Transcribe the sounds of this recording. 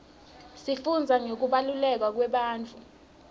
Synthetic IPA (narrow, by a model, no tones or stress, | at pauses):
sifund͡zʱaŋek̬uɓalulɛk̬wak̬wɛɓaːnt͡fʰʼu